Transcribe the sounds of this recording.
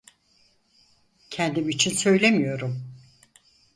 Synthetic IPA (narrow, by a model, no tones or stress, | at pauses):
cʰɛnd̪imit͡ʃʰinsø̞jlʲemijo̞ɾum